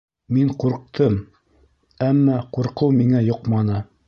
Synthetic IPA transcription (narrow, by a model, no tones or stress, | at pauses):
miɴquɾq̚t̪ʰɤm | æmːɑquɾqɤwmiŋæjoqmɑnɤ